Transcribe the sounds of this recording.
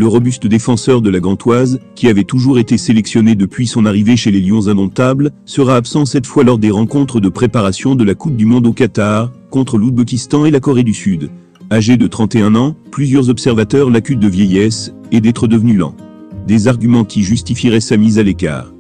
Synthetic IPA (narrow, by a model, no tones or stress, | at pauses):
ləʁɔbyst̪əd̪efɑ̃sœʁd̪əlaɡɑ̃t̪wazkʲiavɛt̪uʒuʁet̪eselɛksjɔned̪əpɥisɔ̃naʁiveʃeleljɔ̃zɛ̃nɔ̃t̪ablsəʁaːpsɑ̃sɛt̪fwalɔʁd̪eʁɑ̃kɔ̃t̪χəd̪əpχepaʁasjɔ̃d̪əlakup̚d̪ymɔ̃d̪okat̪aʁkɔ̃t̪χəlud̪̚bekʲist̪ɑ̃elakɔʁed̪ysyd̪ | aʒed̪ət̪χɑ̃t̪eɛ̃nɑ̃plyzjœʁzɔpsɛʁvat̪œʁlakʲyt̪̚d̪əvjɛjɛs | ed̪ɛt̪χəd̪əvnylɑ̰̃ | d̪ezaʁɡʲymɑ̃kʲiʒyst̪ifiʁɛsamizaleka̰ːʁ